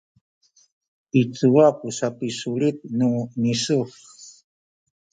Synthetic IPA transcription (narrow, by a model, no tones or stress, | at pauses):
it͡suwapusapisuɺit̪̚nunisu